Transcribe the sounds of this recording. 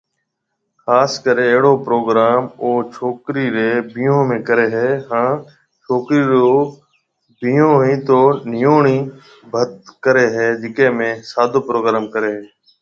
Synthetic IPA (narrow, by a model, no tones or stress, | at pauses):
xaːskəɾeːəɦɽoːpɾoːɡɾaːmoːt͡ʃʰoːkɾiːɾeːbĩːõːmẽːkəɾeːɦɛːɦãː | t͡ʃʰoːkɾiːɾoː | biːõːɦĩːt̪oːnɪjoːɳiː | bʱət̪̚kəɾeːɦɛːd͡ʒɪkẽːmẽːsaːd̪ʱoːpɾoːɡɾaːmkəɾeːɦeː